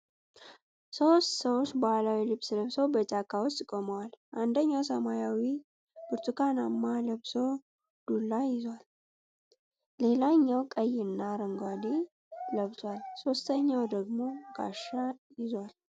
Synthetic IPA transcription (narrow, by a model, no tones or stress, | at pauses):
sowst̪səwot͡ʃːbəhalawilɨβsləβsəwbət͡ʃʼakʰːawɔst̪ʼkʼoməwalʔand̪əɲːawsəmajawi | b̥ɨɾt̪ʰukʰanamːaləβso | d̪̥ulːajɪzwal | e̞laɲːawkʼəjːɪnːaɾəŋɡad̪i | ləβt̪ʰwalso̞st̪ʰəɲːawd̪əɡmo̞ɡa̰ʃajɪzwal